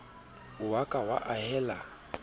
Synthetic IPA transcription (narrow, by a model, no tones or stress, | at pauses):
ʊwakʼawa̰ʔahɛla